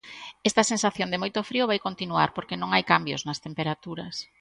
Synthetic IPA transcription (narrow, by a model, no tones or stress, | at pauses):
ɛst̪ɐsensaθjond̪emojt̪ofɾioβajkont̪inuaɾpoɾkenõŋajkambjo̰znɐst̪empeɾat̪uɾɐs